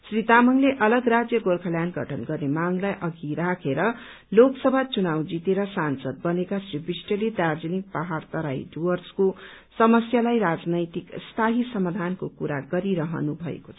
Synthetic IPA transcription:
srit̪amʌŋleʔʌlʌɡrad͡zjʌɡolkʰʌljanɡʌ̰ʈʰʌnɡʌrnemaŋlajʔʌɡiɾakʰeɾʌ | loksʌbʱat͡sunawd͡zit̪eɾʌsansʌd̪̚bʌnekasribrisʈʌled̪ard͡zʌnik̚paɦart̪ʌɾaḭɖuwʌrskosʌmʌsjalajɾad͡znʌjt̪ikst̪ʰaɦisʌmad̪ʱankokuɾa̰ɡʌɾiɾʌɦʌ̰nubʱʌ̰ḛkot͡sʰʌʌ

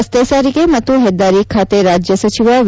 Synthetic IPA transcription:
st̪esaɾikemət̪uɦed̪aɾikʰat̪eɾad͡ʒjəsət͡ʃiʋaʋ

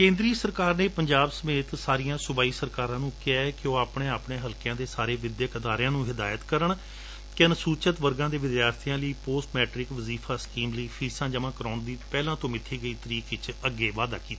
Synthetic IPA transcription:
kẽːnd̪ɾiːsəɾkaːɾneːpəɲd͡ʒaːbsəmeːt̪saːɾijãːsʊbaːiːsəɾkaːɾãːnũːkɛːkɪoːaːpɳeːaːpɳeːɦəlkjãːd̪eːsaːɾeːʋɪd̪jəkəd̪aːɾjãːnũːɦɪd̪aːjət̪kəɾəɳ | kɪnsuːt͡ʃət̪ʋəɾɡãːd̪eːʋɪd̪jaːɾt̪ʰijãːləiːpoːsʈmɛːʈɾɪkʋəziːfʰaːskiːmləiːpʰiːsãːd͡ʒəʋãːkɾaːɳd̪iːpɛːlãːt̪õːmɪt̪ʰːiːɡəiːt̪əɾiːkɪt͡ʃəɡːeːʋaːd̪a̰ːkiːt̪aː

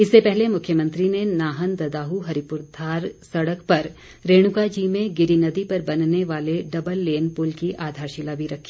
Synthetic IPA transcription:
ɪsːepɛɦlemʊkʰjəmə̃nt̪ɾinenaːɦənd̪ɐd̪aːɦuɦɐɾipʊɾd̪ʰʱaːɾsɐɽəkpɐɾ | ɾeːɽ̃ʊkad͡ʒiːmẽɡɪɾinɐd̪ipɐɾbɐnneʋaːleɖɐbəlːeːnpʊlkiʔaːd̪ʱaːɾʃilabʱiɾɐkʰːi̥ː

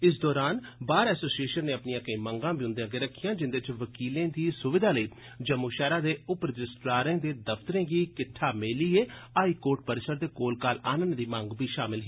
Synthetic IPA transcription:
ɪs̬d̪ɔːɾaːnbaːɾɛːsoːsieːʃənːẽːəpnijãːkəĩːməŋɡãːbiːʊ̃nd̪eãːɡeːɾəkʰːijãːd͡ʒɪnd̪eɪt͡ʃʋəkiːlẽːd̪iːsʊʋɪd̪ʱaːləiː | d͡ʒəmːuːʃɛːɾaːd̪eːʊpɾəd͡ʒɪsʈɾaːɾẽːd̪eːd̪əpʰt̪əɾẽːɡiːkɪʈʰːaːmeːliːeːaːiːkoːɾʈ̚pəɾɪsəɾd̪eːkoːlkaːlaːnənd̪iːməŋɡbʱiːʃaːmɪlɦiː

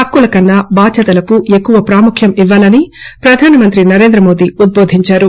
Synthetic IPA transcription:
ɐkːulɐkɐnːabaːd̪ʱjɐt̪ɐlɐkue̞kːuʋɐpɾaːmukʰjɐmiʋːaːlɐnipɾɐd̪ʱaːnɐmɐnt̪ɾinɐɾeːnd̪ɾɐmo̞ːd̪iud̪̚boːd̪ʱiɲt͡ʃaːɾu

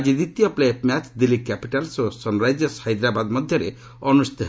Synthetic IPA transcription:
d͡ʒid̪it̪ijɔplepmat͡ʃd̪ilːikːapiʈalsosɔnɾajd͡ʒjɔsajd̪ɾabad̪mɔd̪ʱjɔɾe | ɔnust̪ʰi

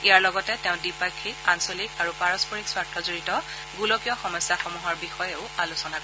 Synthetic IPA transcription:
ijaɹlɔɡɔtɛtɛʊ̃dipajkʰːikansolikaɹupaɹɔspɔɹikswaɹtʰːɔzoɹitɔ | ɡulɔkijɔxɔmɔjsːaxɔmuɦɔɹbixɔjɛʊalusɔnakɔ

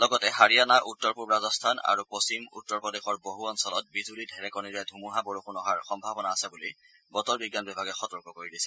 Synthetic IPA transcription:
lɔɡɔtɛɦaɹianaʔutːɔɹpuɹɹazɔstʰana̰ɹupost͡ɕimṵtːɔɹpɔdexɔɹboɦuɔnsɔlɔt̚bizulidʱɛɹɛkɔniɹɛdʱumuɦaboɹuxunɔɦaɹxɔmbʱabɔnaːsɛbuli | bɔtɔɹbiɡjanbibʱaɡɛxɔtɔɹkɔkoɹidisɛ

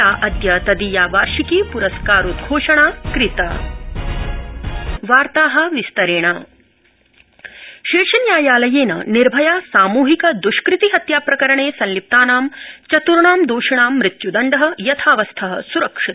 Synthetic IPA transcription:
aːʔɐd̪jɐt̪ɐd̪iːjaːʋaːɾʃikiːpuɾɐskaːɾud̪ɡʱoːʂɐɳaːkɾɪt̪a̰ | ʋaːɾt̪aːɦɐ̆ʋist̪ɐɾeːɳɐ | ʃeːʂɐnjaːjaːlɐjeːnɐ̰niɾbʱɐjaːsaːmuːɦikɐd̪uʃkɾɪt̪iɦɐt̪jaːpɾɐkɐɾɐɳeːsɐ̃nlip̚t̪aːnaːmt͡ʃɐt̪uɾɳaːmd̪oːʃɐɳaːmːɾɪt̪jud̪ɐɳɖɐɦɐ̆jɐt̪ʰaːʋɐst̪ʰɐɦɐ̰̆suɾɐkʂit̪

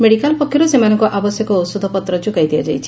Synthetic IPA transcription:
meɽikalpɔkʰjɔɾusemanɔŋkuʔabɔsjɔkɔːsud̪ʱɔpɔt̪ɾɔd͡ʒukajd̪iad͡ʒajt͡ʃʰi̥

